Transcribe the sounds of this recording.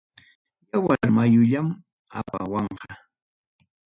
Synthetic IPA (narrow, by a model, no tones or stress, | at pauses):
jawaɾmajʊʎam | a̰pa̰wɑɴqɑ